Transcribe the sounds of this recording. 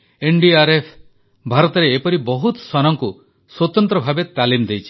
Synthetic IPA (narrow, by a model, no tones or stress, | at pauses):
eɳɖiaɾepʰ | bʱaɾɔt̪ɔɾeːpɔɾibɔɦut̪swanɔŋku | swɔt̪ɔnt̪ɾɔbʱabet̪alimd̪ejt͡ʃʰi̥